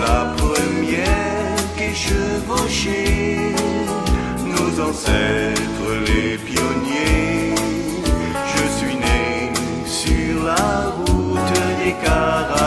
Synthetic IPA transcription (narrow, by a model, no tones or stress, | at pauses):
lapχəmjɛ | ʁkeʃəvoʃe | nozɑ̃sɛt̪χəlepjɔnje | ʒəsɥine | syʁlaʁut̪ekaʁa